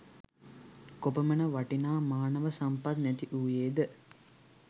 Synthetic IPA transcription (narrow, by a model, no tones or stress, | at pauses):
kopəmənəʋaʈinaːmaːnəʋəsampat̪næt̪iʔuːjeːd̪ə